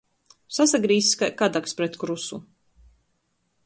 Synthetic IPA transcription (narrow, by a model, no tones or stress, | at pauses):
sasaɡɾiːskad̪akspɾɛt̪kɾusu